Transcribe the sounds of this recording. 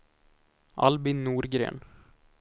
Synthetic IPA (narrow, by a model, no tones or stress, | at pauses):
ʔɑ̰lbɪnːuːɾɡɾḛːn